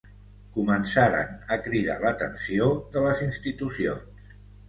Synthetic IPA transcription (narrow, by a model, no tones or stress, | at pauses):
kumənsaɾə̰nəkɾiða̰lət̪ə̰nsioðələzinst̪it̪usio̰ns